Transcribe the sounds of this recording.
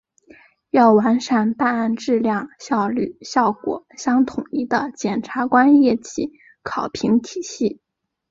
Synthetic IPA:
jɑ˥˩ʊwa˧˥nʂa˥˨˩nt̪a˥˧na˥˧nʈ͡ʂɻ̩˥˧ljɑ˥˧ŋɕjɑ˥˧ʊly˥˩ɕjɑ˥˩ʊkwɔ̰˨˩˦ɕjɑ˥ŋt̪ʰʊ˨˩ŋi˥˩d̪ə˨˩t͡ɕjɛ˨˩nʈ͡ʂʰa˧˥kwa˥njɛ˥˩t͡ɕi˥˩ | kʰɑ˨˩ʊpʰi˧˥ŋt̪ʰi˨˩ɕi˥˩

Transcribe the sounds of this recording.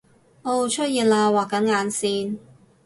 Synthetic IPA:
ʔo˧wt͡ʃʰɵ˥t̚jiː˨n̚laː˧waː˨kːɐ˨˥nŋaː˨˧nsiː˧n

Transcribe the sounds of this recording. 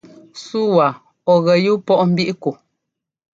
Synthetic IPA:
su˦wa˨ | ɔ˨ɣɛ˨ju˦pɔ˦ʔm̩˦bi˦ʔko˨

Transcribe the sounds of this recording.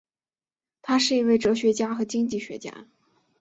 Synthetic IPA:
t̪ʰa˥ʂɻ̩˥˩i˧˥we˥˩ɪʈ͡ʂɤ˧˥ɕɥɛ˧˥t͡ɕja˥xɤ˧˥t͡ɕi˥ŋt͡ɕi˥˩ɕɥɛ̰˧˥t͡ɕja̰˥

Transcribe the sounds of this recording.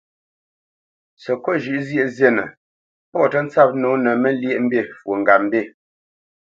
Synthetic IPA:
sə˨kɔ˦ʒʉ˨ʔzje˦˨zɛ˦˨nə̰˨ | pɔ˦˨tə˦n̩˦t͡sa˦˨p̚noː˨˦nə˨mə˦lje˦ʔm̩˦be˦˨fwo˨ŋɡa˨m˦be˦˨

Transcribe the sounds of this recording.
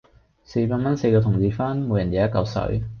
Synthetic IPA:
se˧jpaː˧nmɐ˥nse˧jkɔː˧t̪ʰʊ˨˩ŋt͡siː˧faː˥nmo˨˧wjɐ˨˩njaː˨˥jɐ˥t̚kɐ˧wsɵ̰˨˧˥ɥ

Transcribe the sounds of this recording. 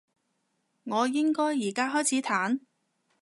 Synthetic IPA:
ŋɔː˨˧jɪ˥ŋkɔː˥jːiː˨˩kaː˥ɦɔː˥jt͡sʰiː˨˥t̪ʰaː˨˥n

